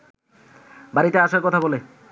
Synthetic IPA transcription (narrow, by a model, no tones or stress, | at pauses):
baɾit̪eaʃaɾkɔt̪ʰabɔle